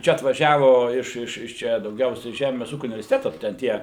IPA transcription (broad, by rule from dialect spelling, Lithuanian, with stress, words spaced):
ˈt͡ʃʲɛ ɐtʋɐˈʒʲæːʋoː ɪʃ ɪʃ ˈt͡ʃʲɛ dɐʊˈɡʲɛʊsʲɛɪ ˈʒʲæːmʲeːs ˈuːkʲʊ ʊnʲɪʋʲɛrʲsʲɪtʲɛtoː tʲɛn tʲiɛ